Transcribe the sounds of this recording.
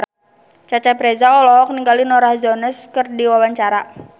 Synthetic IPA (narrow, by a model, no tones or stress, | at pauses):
t͡ʃat͡ʃapɾɛzaɔlɔk̚niŋɡalinɔɾahzɔnəskərdiwawaɲt͡ʃaɾa